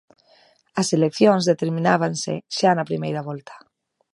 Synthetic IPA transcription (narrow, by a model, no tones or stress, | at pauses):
aselekθjonzðet̪eɾmĩnaβ̞ansḛʃanapɾimejɾaβ̞ɔlt̪ʰḁ